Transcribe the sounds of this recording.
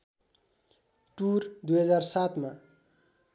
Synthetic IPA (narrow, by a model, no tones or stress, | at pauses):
ʈurd̪ujɦʌd͡zarsat̪ma